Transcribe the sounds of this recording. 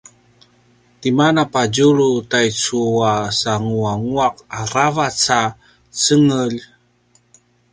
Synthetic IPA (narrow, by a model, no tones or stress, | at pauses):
timanapad͡ʑuɾutajt͡suasaŋuaŋuaqaɾavat͡sa | t͡səŋəʎ